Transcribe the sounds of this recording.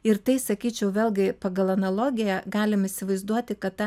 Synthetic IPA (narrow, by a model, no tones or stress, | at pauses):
ɪɾt̪ɐɪsɐkʲiːt͡ʃʲɛʊʋʲeːlʲˠɡʲɪpɐːɡɐlˠɐnɐlˠoːɡʲɪjɛɡɑːlʲɪmɪsʲɪʋɐɪzd̪uɔt̪ʲɪkɐt̪tɑ